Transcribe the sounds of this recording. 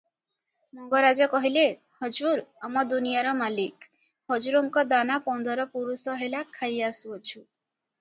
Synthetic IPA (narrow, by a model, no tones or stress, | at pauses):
mɔŋɡɔɾad͡ʒɔkɔɦile | hɔd͡ʒuɾamɔd̪unijaɾɔmalik | hɔd͡ʒuɾɔŋkɔd̪anapɔnd̪ɔɾɔpuɾusɔɦelakʰːajasuɔt͡ʃʰu